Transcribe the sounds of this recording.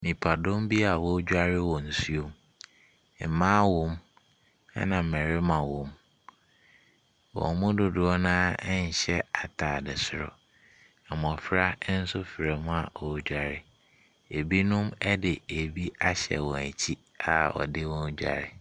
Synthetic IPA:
mĩ˨pʰa˨dõ˦mbi˦a˨wɔ˦d͡ʑᶣa˦ɾɪ˦wɔ̃˨n̩˨su˦o˦m˦ | m̩˨mãː˦wɔ̃˦m | a̰˦nã˨m̩˨mɛ˨ɾɪ˦mã˨wɔ̃˨m | wɔ̰̃˨mʊ̃˦dʊ˨dʊ˨ɔ˦nãː˦ɲ̩˨ɕɛ˦a˨tʰaː˨dɪ˨sʊ˦ɾʊ̰˨ | ɛ˨m˨ɔ˨fɪ˦ɾa˦n̩˦sʊ˦fɪ˨ɾɛ˨mʊ̃˦a˨wɔ˨˦d͡ʑᶣa˨ɾɪ˦ | e˨bi˦nʊ̃˦mɛ˦dɪ˨e˨bi˦a˦ɕɛ̰˨wɔ̃˨æ˨t͡ɕʰi˦ | a˨ɔ̰˨dɪ˦wɔ̃˦n˦d͡ʑᶣa̰˨ɾɪ˨

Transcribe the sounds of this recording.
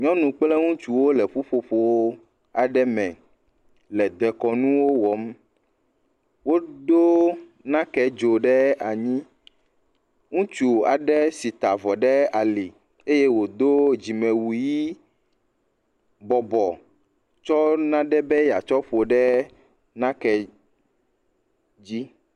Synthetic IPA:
ɲɔ̃˦nũ˨k͡plɛ˦ŋũ˦t͡ʃu˨wo˦lɛ˨ɸu˦ɸo˨ɸo˨wo˦ | a˨ɖɛ˦mɛ̰̃˨ | lɛ˨d̪ɛ˨kɔ˨nũ˦wo˦wɔ˨˦m˦ | wo˦do˦nã˦kɛ˦d͡ʒo˨ɖɛ˦a˨ɲĩ˦ | ŋũ˦t͡ʃu˨a˨ɖɛ˦si˨t̪a˨vɔ˨ɖɛ˦a˨li˨ | e˦je˦wo˨d̪o˦d͡ʑi˨mɛ̃˨wu˨ji˦ | bɔ˨bɔ˨ | t͡ʃɔ˦nã˦ɖɛ˦bɛ˦ja˨t͡ʃɔ˦ɸo˨ɖɛ˦ | nã˦kɛ˨ | d͡ʑi˦

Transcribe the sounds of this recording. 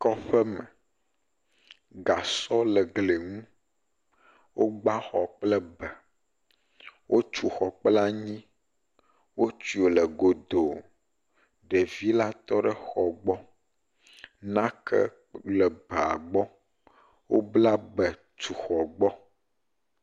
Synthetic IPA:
kɔ˦ɸɛ˦mɛ˨ | ɡa˨sɔ˦lɛ˨ɡle˨ŋũ˦ | wʔo˦ɡ͡ba˦xɔ˨k͡plɛ˦bɛ˨ | wʔo˦t͡ʃu˨xɔ˨k͡pla˦ɲĩ˦ | wo˦t͡ʃi˨o˨lɛ˨ɡo˨d̪o˨ | ɖɛ˨vi˦la˦t̪ɔ˦ɖɛ˨xɔ˨ɡ͡bɔ˦ | nã˦kʰɛ̰˦ | lɛ˨bɛ˨a˨ɡ͡bɔ˦ | wo˦bla˦bɛ˨ | t͡ʃu˨xɔ˨ɡ͡bɔ˦

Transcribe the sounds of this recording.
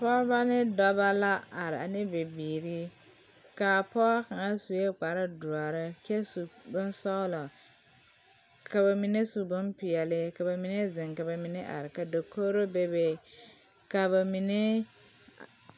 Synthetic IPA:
pɔ˦ba˦nɪ˦dɔ˦ba˦la˦a˨ɾɪ˨a˨nɪ˦be˨biː˨ɾi˦ | ka˨pɔ˦ka˨ŋa˦su˨je˦k͡pa˨ɾɪ˦du˨a˨ɾɪ˦kɛ˦su˨bʊ˦n˦sɔ˦lɔ˨ | ka˨ba˨mi˨ne˦su˨bʊ˦npɪ˨jɛ˨lɪ˦ka˨ba˨mi˨ne˦zɪ˨ŋka˨ba˨mi˨ne˦ʔa̰˨ɾɪ˨ka˨do˨ko˦ɾo˦be˦be˨ | ka˨ba˨mi˨ne˦

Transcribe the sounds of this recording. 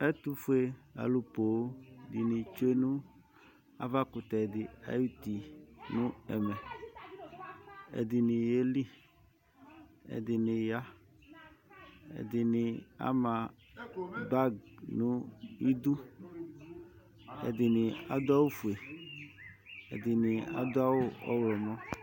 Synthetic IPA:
ɛ˦t̪u˦fu˨˦e˨a̰˨lu˨po˨˦˨dɪ˨nɪ̃˨t͡ʃe˦nũ˦ | a̰˦va˦kʊ˨t̪ɛ˨dɪ˨a̰˦ju˦t̪i˨nʊ̃˦ɛ˨mɛ˨ | ḛ˨d̪ɪ˨nɪ̃˨je˦li˦ | ḛ˨d̪ɪ˨nɪ̃˨ja˦ | ɛ̰˨d̪ɪ˨nɪ˨a̰˦mã˨ | ba˦ɡnʊ̃˦i˦d̪u˦ | ɛ̰˨dɪ˨nɪ̃˨a̰˨d̪ʊ˦a˦wʊ˦fu˨e˨ | ḛ˨d̪ɪ˨nɪ˨a̰˨˦d̪ʊ˦a˦wʊ˦ɔ̰˦wlɔ˨mɔ̃˦

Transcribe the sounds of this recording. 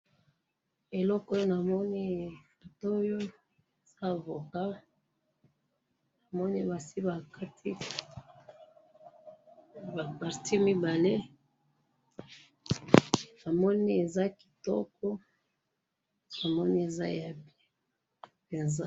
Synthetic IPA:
e˨lɔ˦ko˦jo˦na˨mɔ˦ni˦˨fo˨to˦jo˦ | e˨z̥a˦˨vo˨ka˦ | na˨mɔ˦ni˦ba˨si˦ba˨ka˦tʰi˦ | ba˨pa˨ʁti˦mi˦ba˨le˦ | na˨mɔ˦ni˦e˨za˦ki̥˨tɔ˦kɔ˦ | a˨mɔ˦ni˦e˨za̰˦ja˨bi˦ | pe˨nza˦

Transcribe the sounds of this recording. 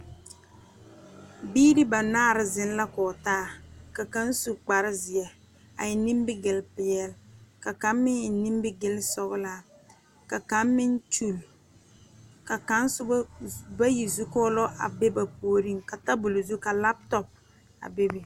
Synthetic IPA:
biː˦ɾɪ˦ba˨naː˦˨ɾɪ˦zɪ˦n˦la˦kɔː˨taː˦ka˨ka˦n˦su˨k͡pa˨ɾɪ˦zɪ˨ɛ˨ | a̰˨jɪ˨ni˦mbɪ˦ɡɪ˨lpɪ˨jɛ˦lka˨ka˨˦mmɪ˦ɲ˨ni˦mbɪ˦ɡɪ˦lsɔ˦bla˦˨ | ka˨ka˦mmɪ˦nt͡ʃu˦˨l | ka˨ka˨˦n˦sʊ˦ba˦ji˨zu˦kɔ˦lɔ˦ʔa˨be˦ba˨poː˨˦ɾi˦ŋka˨ta˦bʊ˨lʊ˨zu˦ka˨la˦p̚tɔ˨p̚ | a̰˨bɪ˦bɪ˨

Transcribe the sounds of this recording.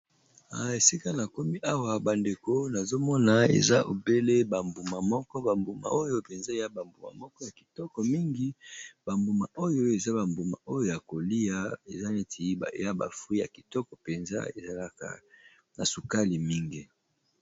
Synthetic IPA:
a˨e˨si˦ka˦na˨ko˦mi˦ʔa˦wa˦ba˨nde˨ko˦na˨zo˦mɔ˦na˨ḛ˨za˦ʔo̰˨be˦le˦ba˨mbu˨ma˨mɔ˦kɔ˦ba˨mbu˨ma̰˨o˦jo˦pe˨nza˦e˨ja˦ba˨mbu˨ma̰˨mɔ˦kɔ˦ja˨ki̥˨tɔ˦kɔ˨mi˦ŋɡi˦ba˨mbu˨ma˨ʔo˦jo˦e˨za˦ba˨mbu˨ma̰˨ʔo˦jo˦˨ja˨ko˨li˦ja˦e˨za˦ne˦ti˨˦˨ja˦ba̰˨fwi˦ja̰˨ki̥˨tɔ˦kɔ˨pe˨nza̰˦e˨za˨la˦ka̰˨ | na˨su˨ka˦li˨mi˦ŋɡi˦

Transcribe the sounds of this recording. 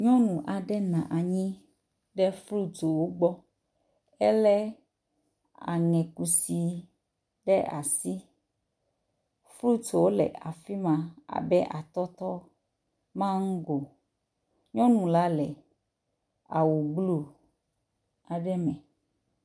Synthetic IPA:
ɲɔ̃˦nũ˨ʔa˨ɖɛ˦nã˨ʔa˨ɲĩ˦ | ɖɛ˦flu˦t̪o˨wo˦ɡ͡bɔ˦ | ɛ˦lɛ˦ | a̰˨ŋɛ̃˨ku˨si˨ | ɖɛ˦ʔa̰˨si˦ | flu˦t̪o˨wo˦lɛ̰˨ʔa̰˨fi˦mã˨a̰˨bɛ˦ʔa˨t̪ɔ˦t̪ɔ˦ | mã˦ŋ̩˦ɡo˨ | ɲɔ̃˦nũ˨la˦lɛ˨ | a˨wo˨ɡ͡blu˦ | a˨ɖɛ˦mɛ̃˨

